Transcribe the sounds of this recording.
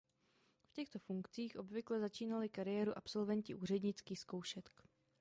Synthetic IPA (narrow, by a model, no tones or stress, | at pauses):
fcɛxt̪o̞fuŋkt͡siːxʔo̞bvɪklɛzat͡ʃiːnalɪkaɾɪjɛːɾuʔapso̞lvɛncɪʔuːr̝ɛdɲɪt͡skiːxsko̞wʃɛt̪k